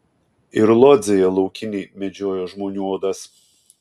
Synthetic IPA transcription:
ɪɾlˠɔd̪zʲɛjɛlˠɒʊkʲɪnʲiːmʲɛd͡ʒʲoːjoːʒmoːnʲuɔd̪ɐs

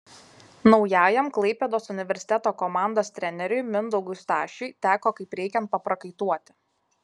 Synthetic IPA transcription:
nɒʊjæːjɛmklˠɐɪpʲeːd̪oːsʊnʲɪʋʲɛɾʲsʲɪ̥t̪ʲɛt̪oːkɔmɑˑnd̪oːsʲt̪ʲɾʲɛnʲɛɾʲʊjmʲɪnd̪ɔɡʊst̪ɑːʃʲʊɪt̪ʲæːkoːkɐɪpɾʲɛɪkʲɛnt̪̚pɐpɾɐkɐɪt̪uɔt̪ʲɪ̥

